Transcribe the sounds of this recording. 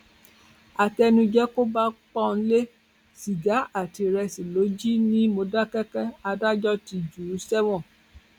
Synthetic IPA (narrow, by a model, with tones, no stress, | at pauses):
a˨tɛ˧nũ˧d͡ʒɛ˦ko˦ba˦k͡pɔ̃˦˧n̩˧˦le˦ | ʃi˨ɡa˨˦ʔa˦˨ti˧ɾɛ˧si˨lo˨˦d͡ʒi˦nĩ˦mo˧da˦kɛ˦kɛ˦a˧da˦d͡ʒɔ˦ti˧d͡ʒu˨ɾu˨˦sɛ˦wɔ̃˦˨